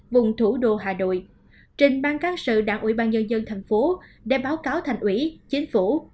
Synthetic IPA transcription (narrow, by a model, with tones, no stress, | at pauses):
vʊ˨˩ŋ͡mt̪ʰu˧˩ɗo̰˧˨ɦaː˨˩no̰˧˨j | t͡ɕï˨˩ŋ̟ɓaː˧nkaː˦˥ŋsɨ̰˧˨ɗaː˧˥ŋʔḭ˧˩˦ɓaː˧nɲə˧nzə˧nt̪ʰa˨˩jŋ̟fo˨˦ɗḛ˧˩ɓaː˨˦wkaː˨˦wt̪ʰa˨˩jŋ̟ʔwḭ˧˩t͡ɕi˨˦ŋ̟fu˧˩